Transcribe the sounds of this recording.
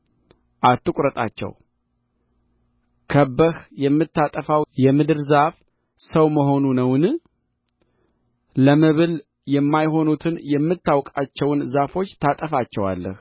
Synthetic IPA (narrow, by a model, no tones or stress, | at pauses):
ʔat̪ːɨkʷʼɾət̪ʼa̰t͡ʃːɛ̰w | kʰəbːəhjɛmːɨt̪ːat̪ʼəfawjɛmɨd̪ɨɾzaf | səwməɦo̞nunəwnɨ | ləmɨβɨl | jɛmːajho̞nut̪ʰɨnjɛmːɨt̪ːawkʼat͡ʃːɛwnzafo̞t͡ʃːt̪ʰat̪ʼəfat͡ʃːɛwa̰lːə̰h